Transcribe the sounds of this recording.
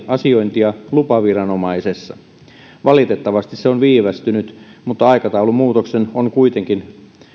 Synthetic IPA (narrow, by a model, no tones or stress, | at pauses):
ɑsio̞jnt̪iɑlupɑʋirɑno̞mɑisesːɑ | ʋɑlit̪et̪ːɑʋɑst̪isseonʋiːʋæst̪ynyt̪mut̪ːɑɑikɑt̪ɑulumuːt̪oksenoŋkuit̪e̞ŋkin